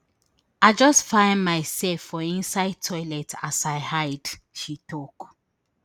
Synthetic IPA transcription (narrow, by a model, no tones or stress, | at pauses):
aɪd͡ʒɔstfãɪ̃ndmaɪsɛlfːɔĩnsaɪd̚tʰɔɪlɛtʰasaɪhaɪd̥ | ʃituk